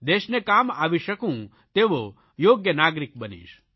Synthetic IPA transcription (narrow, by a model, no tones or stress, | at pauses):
d̪eːʃnekaːma̰ːʋiʃəkũ | t̪eʋo | joːɡjənaːɡɾik̚bənḭʃ